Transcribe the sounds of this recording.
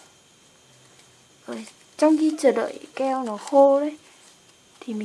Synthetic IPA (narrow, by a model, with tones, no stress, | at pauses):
ʔəː˨˩j | t͡ɕɔ˧wŋ͡mxi˧t͡ɕəː˧˩ɗə̰ː˧˨jkɛ˧wnɔ˨˦ho˧ɗə˨˦j | t̪ʰi˨˩mï˨